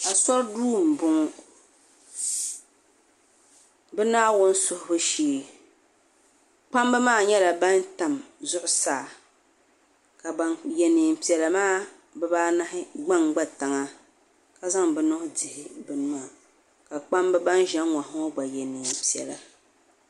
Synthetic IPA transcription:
a˨sɔ˦ɾduː˦˨m˨bʊ˨ŋʊ˦ | bɛ˦naː˦wʊ˦n˦sʊ˦hʊ˨˦bʊ˦ʃiː˦˨ | k͡pa˦mbɨ˦maː˦˨ɲɛ˦la˨ba˦nta˨mzʊ˦ʔʊ˨saː˦˨ | ka˨ba˦njɛ˨ni˨m̩˨pi˨ɛ˨la˨maː˦˨ | bɛ˦baː˦na˦hɪ˦ɡ͡ba˦ŋɡ͡ba˦ta˨ŋa˦ | ka˨za˦ŋbɛ˨nʊ˦hʊ˦dɪ˨hɪ˨bɨ˨n˦maː˦˨ | ka˨k͡pa˦mbɨ˦ba˦nʒɛ˦ŋ˦ŋʷa˨hŋɔ˦ɡ͡ba˨jɛ˨niː˨m˨pi˨ɛ̰˨la˨

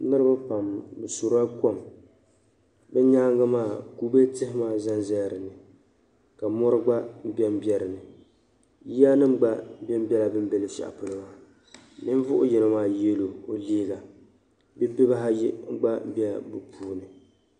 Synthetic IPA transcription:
nɨ˦ɾɨ˦ba˦pa˨mbɨ˨so˨ɾa˦ko˦˨m | bɛ˦ɲaː˦ŋɡa˦maː˦˨ku˦be˦tɨ˦hɪ˦maː˦˨za˦nzɛ˦˨ɾɨ˨nɨ˨ | ka˨mɔ˦ɾɨ˦ɡ͡ba˦m̩˦bɛ˦m˦bɛ˦˨ɾɨ˨nɨ˨ | ji˦a˦nɨ˦ŋ̩˦ɡ͡ba˦m̩˦bɛ˦m̩˦bʲɛ˦la˨bɨ˦m˦bɛ˨lɨ˨fa̰˨ʔa̰˨pʊ˨nɨ˦˨ma˦ | nɨ˦ɱ˦vʊ˦ʔʊ̰˦jɛ˨nɨ˦maː˦˨je˦lo˨o˨liː˦ɡa˨ | bɛ˦bɨ˦ba˦ɦa˦ji˦ŋ̩˦ɡ͡ba˦m̩˦bɛ˦˨bɨ˨pʰuː˦nɨ˨

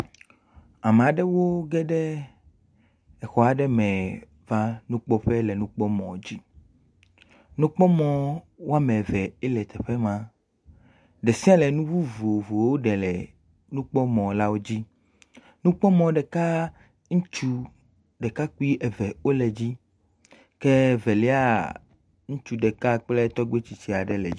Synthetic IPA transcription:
a˨mẽ˨a˨ɖɛ˦wo˦ɡɛ˦ɖɛ˦ | ɛ˨xɔ˨a˨ɖɛ˦mɛ̃˨ | va˦nũ˦k͡pɔ˦ɸɛ˦lɛ˨nũ˦k͡pɔ˦mɔ̰̃˨d͡ʑi˦ | nũ˦k͡pɔ˦mɔ̃˨ | wo˦a˦mɛ̃˨vɛ˨ɛ˦lɛ˨t̪ɛ˨ɸɛ˦mã˨ | ɖɛ˨sĩ˦a˦lɛ˨nũ˦vu˦vo˨vo˨wo˦ɖɛ˨lɛ̰˨ | nũ˦k͡pɔ˦mɔ̃˨la˦wo˦d͡ʑi˦ | nũ˦k͡pɔ˦mɔ̃˨ɖɛ˨ka˦ | ŋũ˦t͡ʃu˦ | ɖɛ˨ka˦ku˦i˦ʔɛ˨vɛ˨o˦lɛ˨d͡ʑi˦ | kɛ˦vɛ˨lɛ˦a˦ | ŋũ˦t͡ʃu˦ɖɛ˨ka˦k͡plɛ˦t̪ɔ˦ɡ͡be˦t͡ɕi˨t͡ɕi˨a˨ɖɛ˨lɛ̰˨˦

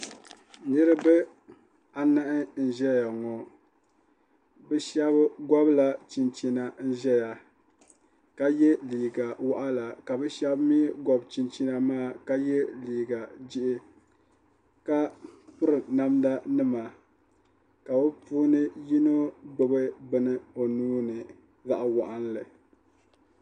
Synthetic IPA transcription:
nɨ˦ɾɨ˦bɛ˦ | a˨na˦ʔɪ˦n̩˨ʒɛ˦ja˨ŋɔ˨ | bɨ˦ʃɛ˦bɡɔ˦bla˨t͡ʃi˨nt͡ʃi˨na˨n̩˦ʒɛ˦ja˨ | ka˦jɛ˦liː˨ɡa˨wa˦ʔa˦la˨ka˨bɛ˦ʃɛ˦bmi˦ɡɔ˨bt͡ʃi˨nt͡ʃi˦na˨maː˦˨ka˦jɛ˦liː˨ɡa˨d͡ʒɪ˦ʔɪ˦ | ka˦pʊ˦ɾɨ˨na˦mda˦nɨ˦ma˨ | ka˨o˦puː˦nɨ˦ji˦no˦bɨ˦bɨ˦bɨ˨nɨ˦o˨nuː˦nɨ˨ | za˦˨ʔa˦wa˨ʔa˦n˦lɨ˨

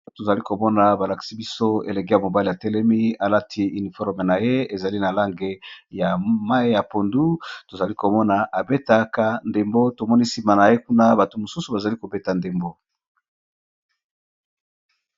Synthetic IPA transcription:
to˨za˨li˦ko˨mɔ˦na˨ba˨la˨ki̥˨si˦bi˦so˦e˨le˨k̬e˦ja˨mo˨ba˦li˨a˨tɛ˦lɛ˦mi˦a˨la˦tʰi˦i˨ni˨fɔ˦ʁme˨na˨je˦e˨za˨li˦na˨la˦ŋɡe˨ja˨ma˦e˦ja˨po˨ndu˦to˨za˨li˦ko˨mɔ˦na˨ʔa˨be˦ta˨˦ka˦nde˨mbo˦to˨mɔ˦ni˦si˨ma˨na˨je˦ku˦na˦ba˨to˨mo˨su˦su˨ba˨za˨li˦ko˨be˦ta˨nde˨mbo˦

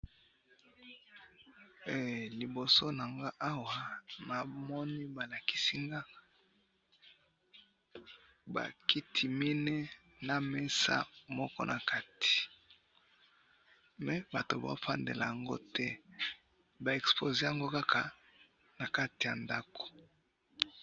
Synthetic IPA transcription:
e˨li˨bo˨so˦na˨ŋɡa˦ʔa˦wa˨na˨mɔ˦ni˦ba˨la˨ki̥˨si˦ŋɡa˦ | ba̰˨ki˦tʰi˨mi˦nɛ˦ | na˨mɛ˦sa̰˦mɔ˦kɔ˦nʔa˨ka˦ti̥˨ | mɛ˨ba˨to˨ba̰˦fa˦ndḛ˨la˨ja˨ŋɡo̰˦tɛ˦ | ba˨ɛ˨kspo˨ze˦ja˨ŋɡo˦ka˦kʰa˨ | na˨ka˦ti˨ja˨nda˦ko̥˨

